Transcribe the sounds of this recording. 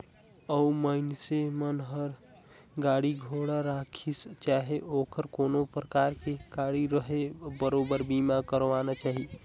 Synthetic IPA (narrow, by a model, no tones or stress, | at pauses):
əumənsemənɦəɾ | ɡaɽiɡʱoɽaɾakʰist͡ʃaɦeʔokəɾkonopɾəkaɾkeɡ̥aɽiɾəɦebəɾobəɾbimakəɾʋanat͡ʃaɦi